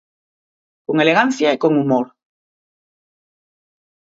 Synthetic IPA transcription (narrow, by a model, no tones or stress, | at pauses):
koŋeleɣan̟θjaekoŋumoɾ